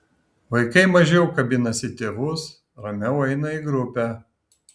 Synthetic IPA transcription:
ʋɐɪkɐɪmɐʒʲɛʊkɐbʲɪnɐsʲɪt̪ʲeːʋʊs | ɾɐmʲɛʊɛɪnɐiɡɾʊpʲæː

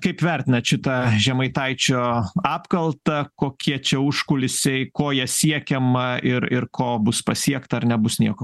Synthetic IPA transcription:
kɐɪpʋʲæɾʲt̪ʲɪnɐtʃʲɪt̪ɐʒʲɛmɐɪt̪ɐɪt͡ʃʲoːɑːpkɐlˠt̪ɐkoːkʲiɛt͡ʃʲɛʊʃkʊlʲɪsʲɛɪkoːjɛsʲiɛkʲɛmɐɪɾɪɾkoːbʊspɐsʲiɛkt̪ɐɐrnʲɛbʊsnʲiɛkoː

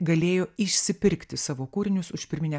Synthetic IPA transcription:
ɡɐlʲeːjoːɪʃʲsʲɪpʲɪɾʲkt̪ʲɪsɑːʋoːkuːɾʲɪnʲʊsʊʃʲpʲɪɾʲmʲɪnʲɛ

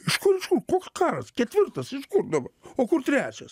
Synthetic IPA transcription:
ɪʃkʊɾɪʃkʊɾkoːkskɑːɾɐskʲɛt̪ʲʋʲɪɾt̪ɐsɪʃkʊɾd̪ɐbɐoːkʊɾt̪ʲɾʲæːt͡ʃʲɛs

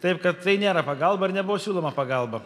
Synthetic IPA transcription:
t̪ɐɪpkɐt̪̚tɐɪnʲeːɾɐpɐɡɐlˠbɐɪɾnʲɛbʊʋoːsʲuːlˠoːmɐpɐɡɐlˠbɐ

